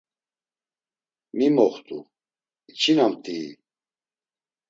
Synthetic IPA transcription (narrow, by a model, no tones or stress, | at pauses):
mimɔχt̪ʼu | it͡ʃʰinamt̪ʼiː